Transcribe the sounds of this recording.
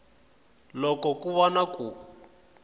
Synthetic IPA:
lɔkɔkuβɔnaku

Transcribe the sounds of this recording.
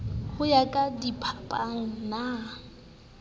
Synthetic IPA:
χʊjakʼadipʰapʼaŋ̩na

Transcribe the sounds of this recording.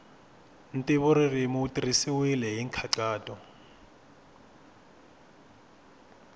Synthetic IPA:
n̩tʼiβɔɾirimuutʼirisiwilɛɦiːŋkʰaǀaːtʼɔ

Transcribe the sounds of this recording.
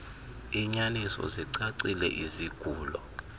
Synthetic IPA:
iɲanisɔ̰ziǀaǀilɛ̰ʔiziɡ̥ʱuːlɔ

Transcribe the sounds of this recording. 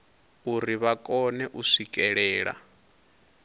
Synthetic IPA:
uriβakʼɔnɛʔuʂikʼɛɺɛːɺa̰

